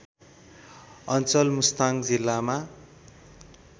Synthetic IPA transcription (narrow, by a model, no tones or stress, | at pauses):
ʌnt͡sʌlmust̪aŋd͡zilːama